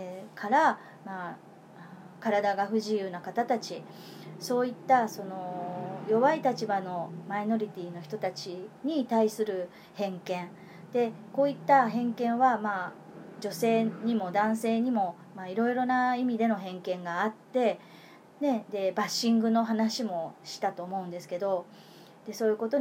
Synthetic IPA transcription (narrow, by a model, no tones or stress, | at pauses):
kʰaɾa | ma | kaɾad̪aɡaɸɯ̟ʑijɯ̟ːnakat̪at̪at͡ɕi | so̞ːit̪ːaso̞no̞jo̞βait̪at͡ɕibano̞maino̞ɾʲit̪ʲiːno̞çi̥t̪o̞t̪at͡ɕiɲ̟it̪aisɨɾɯ̟ | hẽ̞ŋkẽ̞ɴ | d̪̥e̞ko̞ːit̪ːaɦẽ̞ŋkẽ̞ɰ̃βamaː | d͡ʑo̞se̞ːɲ̟imo̞d̪ãɰ̃se̞ːɲ̟imo̞ | maiɾo̞iɾo̞naimʲid̪e̞no̞ɦẽ̞ŋkẽ̞ŋɡaːt̪ːe̞ | ne̞d̪e̞baɕːĩŋɡɯ̟no̞ɦanaɕimo̞ɕi̥t̪at̪o̞ːmo̞ɯ̃nd̪e̞sɨ̥ke̞d̪o̞ | d̪̥e̞so̞ːjɯ̟ko̞t̪o